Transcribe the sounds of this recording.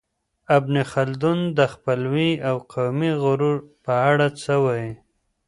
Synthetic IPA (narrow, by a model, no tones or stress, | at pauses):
abnexald̪und̪əxpəlwiawqʰawmiɣʊɾuɾpəaɽat͡səwaj